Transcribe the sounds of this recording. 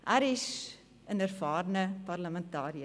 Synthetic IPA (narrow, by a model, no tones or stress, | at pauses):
ʔæɾis | ənərfɑːrnəpɐrləməntɑːɾiə